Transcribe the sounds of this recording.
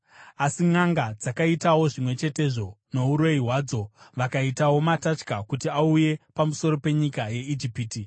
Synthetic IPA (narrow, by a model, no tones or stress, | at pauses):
asiŋaŋɡad͡zakaitawo̞ʐimwe̞t͡ʃe̞te̞ʐo̞no̞uɾo̞iɦwaːd͡zo̞ʋakaitawo̞matat͡ʃkakutiauje̞pamuso̞ɾo̞pe̞ɲikaje̞id͡ʒipiːti